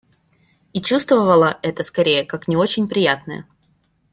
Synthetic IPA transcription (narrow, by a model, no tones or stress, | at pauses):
it͡ɕust̪vəvəlˠəʔɛt̪əskɐɾʲejəkaknʲɪo̞t͡ɕɪnʲpɾʲɪjat̪nə̰jə̰